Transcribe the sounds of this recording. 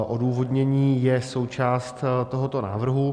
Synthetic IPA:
ʔoduːvo̞dɲɛɲiːjɛso̞wt͡ʃaːst̪tt̪oɦot̪o̞na̰ːvr̩ɦu

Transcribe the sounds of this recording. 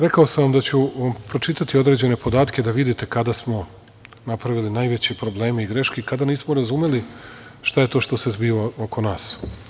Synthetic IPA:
ɾekaosamʋamd̪at͡ɕuʋampɾo̞t͡ʃit̪at̪io̞d̪ɾe̞d͡ʑe̞ne̞pod̪aːt̪kʲed̪aʋid̪it̪e̞kad̪asmo̞ | napɾaʋilinajʋe̞t͡ɕepɾo̞ble̞ːmeiɡɾe̞ʃkekad̪aniːsmoɾazume̞liʃt̪aje̞t̪o̞ʃt̪o̞se̞zbiːʋaokʰo̞naːs

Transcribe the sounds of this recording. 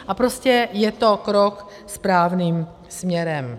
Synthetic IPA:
ʔapɾoscɛjɛt̪o̞kɾok | spɾaːvniːm | smɲɛɾɛm

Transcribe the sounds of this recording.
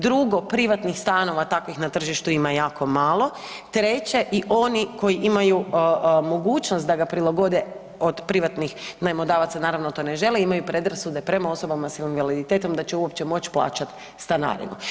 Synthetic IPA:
d̪ɾuɡo̞pɾiʋat̪nixst̪aːno̞ʋat̪akʋixnat̪r̩ʒiʃt̪uimajaːko̞maːlˠo̞ | t̪ɾe̞t͡ɕe̞ʔiʔo̞niko̞jiʔimajumo̞ɡuːt͡ʃnost̪d̪aɡapɾilˠaɡo̞d̪e | od̪pɾiʋat̪nixnamod̪aːʋat̪sanaːɾaʋnot̪o̞ːne̞ʒe̞leimajupɾe̞d̪ɾasud̪e̞pɾe̞mao̞so̞bamasjalinʋalid̪it̪e̞ːt̪o̞md̪at͡ɕeuo̞pt͡ɕe̞mo̞t͡ɕplˠa̰ːt͡ɕat̪ | st̪ana̰ːɾḭmu

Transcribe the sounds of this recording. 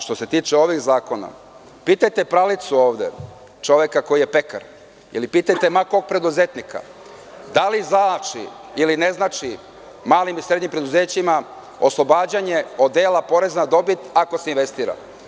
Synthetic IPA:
ʃt̪o̞se̞t̪iːt͡ʃeo̞ʋixzaːko̞na̰ | piːt̪ajt̪epɾalit̪suo̞ːʋd̪e̞̰ | t͡ʃo̞ʋekako̞jije̞pe̞ka̰ɾ | ḭlipiːt̪ajt̪e̞makoɡ̚pɾe̞d̪uzet̪nika̰d̪alizat͡ʃḭiline̞znat͡ʃi | maːlimisɾed̪ɲimpɾed̪uze̞ːt͡ɕima | o̞slˠo̞baːd͡ʑaɲe̞od̪eːlapo̞ɾe̞znad̪o̞bit̪akoseinʋe̞st̪iːɾa̰

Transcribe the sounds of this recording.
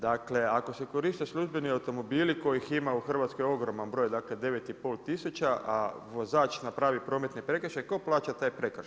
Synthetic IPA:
d̪akle̞ako̞se̞ko̞ɾiːʃt̪aslʲuʒbe̞niawt̪o̞mo̞biːliko̞jiximauxr̩ʋat̪skojo̞ɡɾo̞manbɾo̞ːjd̪akle̞d̪e̞ʋe̞t̪ipo̞ːlt̪isut͡ɕaʔa̰ʋo̞zaːt͡ʃnapɾaʋipɾo̞ːme̞t̪nepɾe̞kr̩ʃajko̞plaːt͡ɕat̪aːjpɾe̞kr̩ʃ

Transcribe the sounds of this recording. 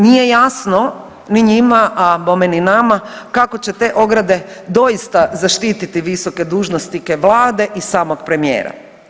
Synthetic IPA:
nije̞jasno̞ | niɲimaʔapomeninamakako̞t͡ɕe̞t̪e̞ːʔo̞ɡɾad̪e̞d̪o̞jist̪azaʃt̪iːt̪it̪iʋiso̞ke̞d̪uːʒnost̪ike̞ʋlˠaːd̪e̞ʔisaːmokpɾe̞mijḛːɾa̰

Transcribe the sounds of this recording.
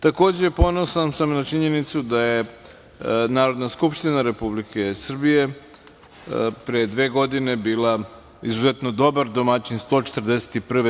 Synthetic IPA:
t̪ako̞ːd͡ʑepo̞nosansamnat͡ʃiɲe̞nit̪sud̪aje | naːɾo̞d̪naskupʃt̪inaɾe̞publike̞sr̩bije̞ | pɾejed̪ʋe̞ːɡo̞d̪ine̞biːla | izuzet̪no̞d̪o̞baɾd̪o̞mat͡ɕinst̪o̞ːt͡ʃet̪rd̪ese̥t̪ipr̩ʋe

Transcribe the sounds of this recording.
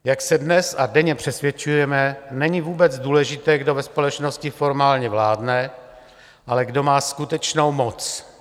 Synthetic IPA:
jaksɛdnɛsadɛɲɛpr̥ɛsvjɛt͡ʃujɛmɛnɛɲɪvuːbɛt͡sduːlɛʒɪt̪ɛːɡdo̞vɛspo̞lɛt͡ʃno̞scɪfo̞ɾmaːlɲɛvlaːdnɛ | ʔalɛɡdo̞maːskut̪ɛt͡ʃno̞wmot͡s

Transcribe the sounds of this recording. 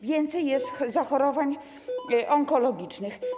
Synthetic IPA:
vʲjɛnt̪sɛjːɛst̪zaxɔɾɔvaɲ | ʔɔŋkɔlɔɡʲit͡ʂnɘx

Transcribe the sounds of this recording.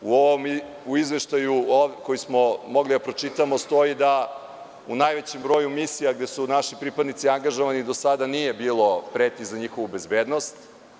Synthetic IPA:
uoʋom | uizʋe̞ʃt̪ajuokojismo̞mo̞ɡlid̪apɾo̞t͡ʃit̪amo̞st̪o̞id̪a | unajʋe̞t͡ɕembɾo̞jumisijaɡd̪e̞sunaʃipɾipad̪nit̪siaŋɡaʒoʋanid̪o̞sad̪anije̞biːlˠo̞pɾet̪izaɲixo̞ʋube̞zbe̞ːd̪no̞st̪

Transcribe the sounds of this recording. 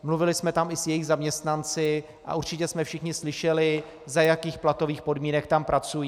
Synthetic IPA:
mluvɪlɪsmɛt̪amɪsjɛjɪɣzamɲɛst̪nant͡sɪ | ʔa̰uɾt͡ʃɪcɛsmɛfʃɪxɲɪslɪʃɛlɪ | zajakiːxplat̪o̞viːxpo̞dmiːnɛkt̪ampɾʔat͡sujiː

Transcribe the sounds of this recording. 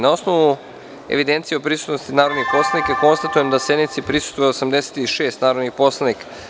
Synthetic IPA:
nao̞snoʋu | e̞̰ʋid̪ent̪sieop̬ɾisu̥t̪nost̪inaːɾod̪nixpo̞slˠanikako̞nst̪at̪ujemd̪ase̞d̪nit̪sipɾisu̥st̪vojeosamd̪ese̥t̪iʃeːst̪naːɾod̪nixpo̞slˠanika

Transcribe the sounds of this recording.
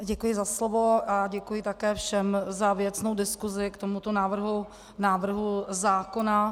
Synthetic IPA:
ɟɛkujɪzaslovoʔaɟɛkujɪt̪akɛːfʃɛmzavjɛt͡sno̞wdɪskuzɪkt̪omut̪o̞naːvr̩ɦu | naːvr̩ɦuzaːkona

